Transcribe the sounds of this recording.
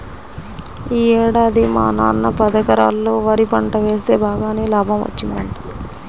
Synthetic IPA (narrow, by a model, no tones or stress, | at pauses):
iːɛːɽaːd̪ima̰ːna̰ːnːɐpɐd̪ɐkɐɾa̰ːlːoːʋɐɾipɐɳʈɐʋe̞ːst̪e̞ːbʱaːɡaːneːlaːbʱɐmʋɐ̰t͡ʃːind̪ɐɳʈi̥